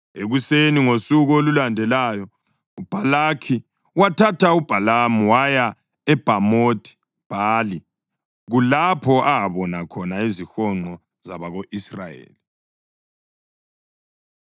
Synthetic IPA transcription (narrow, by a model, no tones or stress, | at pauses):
eɣuseniŋosuɣolulandʱɛlaːjɔ | ub̥ʱalakʰi | watʰatʰaub̥ʱalamuwaja | ɛb̥ʱamotʰʼi̥ | b̥ʱaːli | ɣulapʰɔʔaaβɔnakʰɔnaizixɔŋ͡ǃɔ | zaβaɣoʔisra̰jḛːli